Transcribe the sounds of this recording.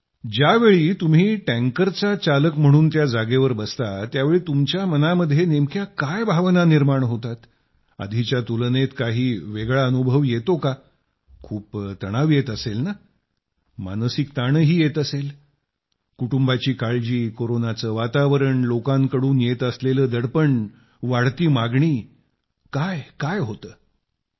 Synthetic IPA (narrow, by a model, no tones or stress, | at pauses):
d͡ʑjaʋeɭiːt̪um̤iːʈɛ̃ŋkəɾt͡sat͡saləkm̤əɽ̃uːnt̪jad͡zaɡeʋəɾbəst̪at̪jaʋeɭiːt̪umt͡ɕjamənaməd̪ʱjenemkjakajbʱaʋnaniɾmaɳɦot̪at̪ | ə̰d̪ʱit͡ɕjat̪ulənet̪kaɦiːʋeɡɭaənubʱəʋjet̪oka | kʰuːpt̪əɽ̃aʋjet̪əselna | ma̰nsikt̪aɳ̃əɦiːjet̪əsel | kuʈumbat͡ɕiːkaɭd͡ʑiːkoɾonat͡səːʋat̪aʋəɾəɳlokãŋkəɽuːnjet̪əsleləːd̪əɽpəɳ | ʋaɽt̪iːmaɡɳiː | kajkajɦot̪əː